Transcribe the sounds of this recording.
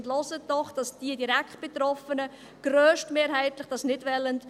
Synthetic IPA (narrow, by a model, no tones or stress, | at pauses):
ntlɔsətdɔχd̥ɑsd̥iədiɾækt̚b̥ɛt̪ɾɔfənə | ɡ̥ɾøːʃtmeːɾɦæɪtlɪχd̥ɑsnɪdʋɛlənt